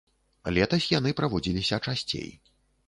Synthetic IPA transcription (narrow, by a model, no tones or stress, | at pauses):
lʲɛt̪ɐsʲjan̪ɨpɾavɔd͡zʲilʲisʲɐt͡ʂasʲt͡sʲḛj